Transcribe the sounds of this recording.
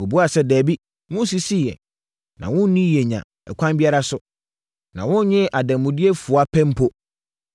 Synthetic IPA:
ʊ˨bu˦a˨sɛ˦dɛː˨bi˦ | wʊ̃˦si˦si˦˨jɛ̰˨ | nã̰˨wʊ̃˦n˦nĩ˦jɛ˨ɲã̰˨ | ɛ̰˨kʷʰã˦m˦bi˦a˦ɾa˦sʊ˨ | nã̰˨wʊ̃˦n˦ɲɪ̃˦ʔa˨dæ̃˨m˨mʊ̃˨di˦e˦fʊ˨a˦pʰɛ̃˦m̩˦pʰo˦

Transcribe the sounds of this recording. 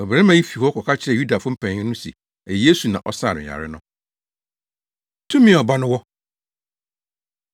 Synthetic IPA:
ɔ˨bɛ̃˦mã˦ji˦fi˨hɔ˦kʰɔ˨kʰa˦t͡ɕʰɪ˦ɛ˨ju˦da˨fʊ̃˦m̩˦pʰæ̃˨ɲ˦ɪ̃˦nʊ̃˦sḭ˨ | ɛ˨je˦su˨nã˨ʔɔ˦sa̰ː˦˨nɪ̰̃˨a̰˨ɾɪ˦nʊ̃˦ | tʰũ˦mĩ˦˨ɔ˨ba˦nʊ̃˦wɔ˦

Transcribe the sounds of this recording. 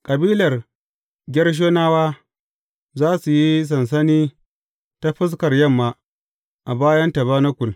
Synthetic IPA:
kʼɐ˨biː˦lɐ˨r | ɡʲɛ˦rʃ̬oː˦naː˦waː˦ | zaː˦su˨ji˦s̬ɐ˨ns̬ɐ˦niː˦ | ta˦ɸɪ˦s̬kɐ˨rjɐ˦˨mːaː˨ | ʔa˨baː˦jɐ˦nta˨βaː˦na˦kʷʊ˨l

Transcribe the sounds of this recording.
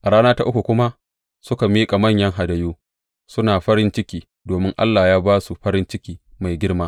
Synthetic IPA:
ʔa˨ɽaː˦naː˦ta˦ʔʊ˦kʷu˨kʷʊ˦ma˦ | sʊ˦ka˨miː˦kʼa˨mɐ˦˨ɲjɐ˦ŋɦa˨dɐ˨joː˦ | sʊ˦naː˨ɸɐ˦ɾɪ˦nt͡ʃɪ˦kʲiː˦ | doː˨mɪ˦ŋʔa̰˦lːaː˨jaː˦baː˦su˨ɸɐ˦ɾɪ˦nt͡ʃɪ˦kʲiː˦ma˨jɡʲɪ˦ɽmaː˦

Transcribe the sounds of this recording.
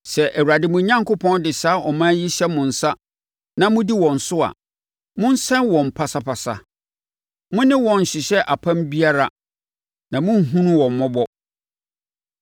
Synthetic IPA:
sɛ˨ʔæ˨wu˨a˨dɪ˨˦mʊ̃˨˦ɲã˦ŋkʊ˦pʰɔ̃˦ndɪ˨saː˦ʔɔ˨mãː˦ji˦ɕɛ˦mʊ̃˨n̩˨sa˦ | nã˦mʊ̃˦di˦wɔ̃˨n̩˨sʊ˦a̰˨ | mʊ̃˦n̩˦sɛ̃˦nwɔ̃˨m̩˨pʰa˨sa˦pʰa˨sa̰˨ | mʊ̃˦nɪ̃˦wɔ̃˨n̩˨ɕɪ˨ɕɛ˦ʔa˨pʰã˦mbi˦a˦ɾa˦ | nã˨mʊ̃˦n̩˦ɦũ˦nũ˦wɔ̃˨m̩˨mɔ̃˦bɔ˦

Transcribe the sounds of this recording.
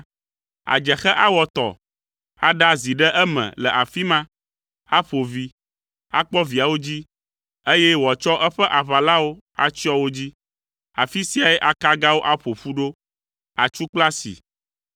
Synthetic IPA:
a̰˨d͡ʒɛ˨xɛ˦ʔa˦wɔ˨t̪ɔ̰˨ | a˦ɖa˦zi˨ɖɛ˦ʔɛ˦mɛ̰̃˨lɛ˨ʔa˨fi˦mã˦ | a˦ɸo˨vi˦ | a̰˦k͡pɔ˦vi˨a˨wo˦d͡ʑi˦ | e˦jɛ˦wɔ˨t͡ʃɔ˦ʔɛ˦ɸɛ˦ʔa˨βa˨la˦wo˦ | a̰˦t͡ɕi˦ɔ˦wo˦d͡ʑi˦ | a˨fi˦si˦a˨ɛ˦ʔa˦ka˦ɡa˦wo˦ʔa˦ɸo˨ɸu˦ɖo˦ | a˨t͡ʃu˦k͡pla˦sḭ˨

